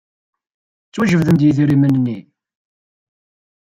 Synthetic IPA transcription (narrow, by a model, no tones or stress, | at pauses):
t͡sːwæʒəvðənd̪jiðiɾimənnːi